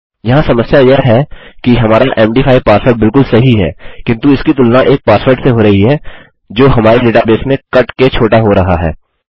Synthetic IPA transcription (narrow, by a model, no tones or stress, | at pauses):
jɐɦãsɐməsjajeɦɛkiɦɐmaːɾaʔɛːmɖiːfʰaːipaːsfəɾɖ̚bɪlkʊlsɐɦiɦɛ̰ːkɪ̃nt̪uɪskit̪ʊlnaʔeːk̚paːsfəɾɖseɦoɾɐɦiɦɛː | d͡ʒoːɦɐmaːɾeleːʈabeːsmẽkɐʈket͡ʃʰoːʈaɦoɾɐɦaɦɛ̰ː